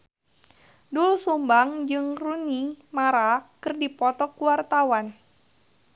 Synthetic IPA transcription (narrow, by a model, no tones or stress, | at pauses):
dulusumbaŋd͡ʒɨŋrunimaɾakɨrdipɔt̪ɔkuwart̪awan